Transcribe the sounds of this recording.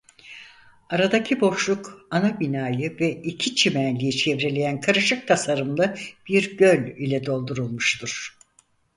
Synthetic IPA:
aɾad̪acʰibo̞ʃlˠukanabinaːjɯvɛicʰit͡ʃʰimænlʲijit͡ʃʰɛvɾe̞lʲe̞jænkʰaɾɯʃɯk̚t̪ʰasaɾɯmlˠɯb̥iɾɟølʲilʲɛd̪o̞lˠd̪uɾulˠmuʃt̪ʰuɾ̥

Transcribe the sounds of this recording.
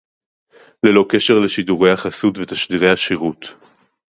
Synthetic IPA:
lelo̞ke̞ʃeʁleʃiduʁe̞jaχasutvetaʃdiʁejhaʃiʁut̪

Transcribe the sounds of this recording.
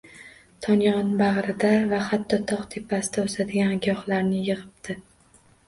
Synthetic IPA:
t̪ʰɒnjɒnbaʁɾɪd̪avahat̪ʰːɒt̪ʰɒqt̪ʰe̞pʰːasɪd̪aosad̪ɪɡʲanɡʲɒχlaɾnɪjɨʁɨp̚d̪ʰɪ

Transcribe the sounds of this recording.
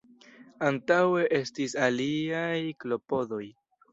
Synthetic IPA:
antawe̞ʔe̞stisaliajklo̞po̞do̞j

